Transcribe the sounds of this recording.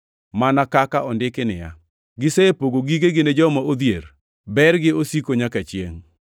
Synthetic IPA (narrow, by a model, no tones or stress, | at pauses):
manakakaʔɔndɪkɪnɪ̰ja̰ | ɡɪsepoɡoɡiɡeɡɪned͡ʒɔmaod̪jeɾ | bɛrɡɪosikoɲakat͡ʃjḛŋ